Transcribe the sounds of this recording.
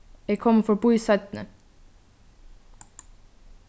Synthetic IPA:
eːkʰɔməfɔbusœt̪n̩ə̰

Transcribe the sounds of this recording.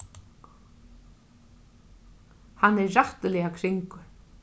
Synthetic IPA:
hanːɛraht̪lɛakʰɾɪŋkʊɾ̥

